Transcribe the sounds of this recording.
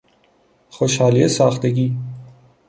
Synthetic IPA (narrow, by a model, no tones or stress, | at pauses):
xoʃhɑːliesɑːxt̪eɡiː